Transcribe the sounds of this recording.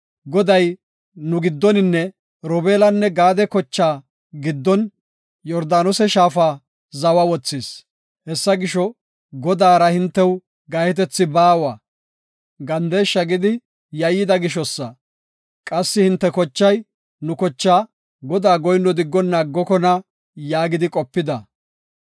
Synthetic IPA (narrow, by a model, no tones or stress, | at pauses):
ɡɔd̪ɐj | nʊɡɪd̪ːɔnɪnːɛ | ɾɔbeːlɐnːɛɡaːd̪ɛkɔt͡ʃːaː | ɡɪd̪ːɔn | jɔɾd̪aːnɔsɛʃaːfaː | zɐwɐwɔt͡sːɪːs | hɛsːɐɡɪʃɔ | ɡɔd̪aːɾɐhɪnt̪ːɛw | ɡɐjɛt̪ɛt͡sːɪbaːwɐ | ɡɐnd̪eːʃːɐɡɪd̪ɪ | jɐjːɪd̪ɐɡɪʃɔsːɐ | kʼɐsːɪhɪnt̪ːɛkɔt͡ʃːɐj | nʊkɔt͡ʃːaː | ɡɔd̪aːɡɔjnːɔd̪ɪɡːɔnːaːɡːɔkɔnɐ | jaːɡɪd̪ɪkʼɔpːɪd̪ɐ